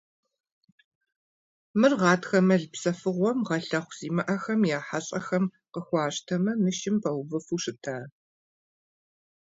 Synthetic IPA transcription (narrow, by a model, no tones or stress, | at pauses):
mɨrʁɑːtxɐmɐɮpsɐfɨʁʷɔmʁɐɬɐχʷz̥iːmɐʔɐxɐmjaːħaɕʼɐxɐm | qəxʷɑːɕtʰɐmɐmɨʃɪmpʰɐwbɨfuːʂɨtʰaː